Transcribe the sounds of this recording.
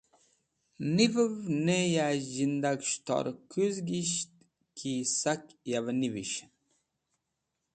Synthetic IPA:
nivəvnejaʑind̪akʃt̪ɔ̰ɾkuzɡiɕt̪̚ | kʰisakjavniviɕn

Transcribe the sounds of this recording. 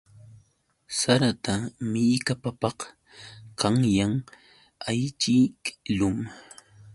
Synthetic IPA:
saɾat̪amɪjkapapɑq | qɑŋjaŋ | ajt͡ʃiklʊm

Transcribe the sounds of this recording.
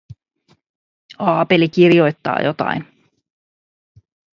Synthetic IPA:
ɑːpelik̟irjo̞jt̪ːɑ̰ːjo̞t̪ɑ̰jn

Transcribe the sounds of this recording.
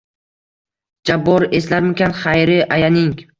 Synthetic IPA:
d͡ʒabːɒɾeslaɾmekʲanχajɾɪʔajanɪŋ

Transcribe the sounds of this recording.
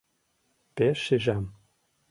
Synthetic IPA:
peʃiʒæm

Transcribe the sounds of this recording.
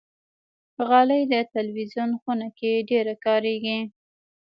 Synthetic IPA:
ɣɑləjd̪ət̪alwizjunxunakeɖeɾakɑɾeɡi

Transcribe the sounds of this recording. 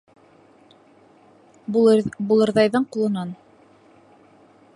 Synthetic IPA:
bulˠɤ̆ɾðɑjðɤɴqulˠɤ̆nɑn

